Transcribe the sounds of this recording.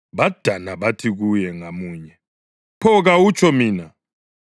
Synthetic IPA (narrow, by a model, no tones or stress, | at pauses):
βad̥ʱanaβatʰiɣujɛŋamuːɲɛ | pʰɔɣawut͡ʃʰʼɔmiːna